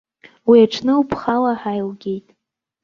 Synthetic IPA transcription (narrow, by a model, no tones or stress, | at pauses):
wiaʈ͡ʂʰnɨupʰχalaħajlɡʲe̞jtʼ